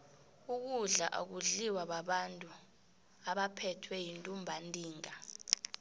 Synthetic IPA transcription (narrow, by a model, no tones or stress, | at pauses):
uk̬uɮaʔa̰k̬uɮiwaɓaɓantʼu | aɓapʰɛtʰwɛjintʼumbʱantʼiːŋa